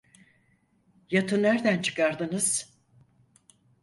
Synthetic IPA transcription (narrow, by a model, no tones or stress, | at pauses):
jat̪ʰɯnːæɾd̪ænt͡ʃʰɯ̥kaɾd̪ɯnɯz̥